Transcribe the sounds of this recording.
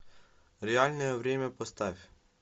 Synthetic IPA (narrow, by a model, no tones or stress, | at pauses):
ɾʲɛɑlʲnɔjɛʋɾʲemʲɛpɔst̪ɑʋʲ